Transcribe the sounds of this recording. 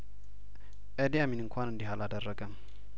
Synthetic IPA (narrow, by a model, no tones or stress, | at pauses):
ʔəd̪ijaminɨŋkʷʰanɨnd̪iɦalad̪ərːəɡəm